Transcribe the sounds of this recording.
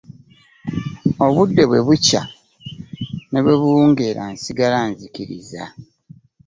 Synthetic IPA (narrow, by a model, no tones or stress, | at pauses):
o̞βudːe̞βwe̞βuca̰ | ne̞βweβuːŋɡeɾa̰nsiɡalanzikiɾḭza̰